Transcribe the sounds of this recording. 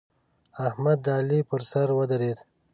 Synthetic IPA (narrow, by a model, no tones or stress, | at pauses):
ahmad̪ːaːlipəɾsaɾwəd̪aɾed̪